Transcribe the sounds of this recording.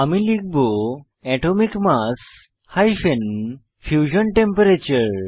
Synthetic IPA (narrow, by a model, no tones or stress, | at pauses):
amilik̚bo | ɛʈomikmas | hajfen | fjud͡ʑənʈẽmpəɾet͡ɕəɾ